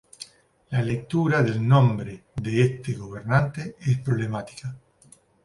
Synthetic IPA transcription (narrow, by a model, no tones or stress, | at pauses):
lalek̚t̪uɾaðelnõmbɾeðeest̪eɣoβ̞eɾnãnt̪eespɾoβlemat̪i̥ka